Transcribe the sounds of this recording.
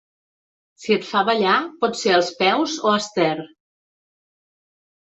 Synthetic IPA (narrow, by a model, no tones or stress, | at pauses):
siət̪faβəʎapɔt̪seəlˠspɛwzoəst̪ɛr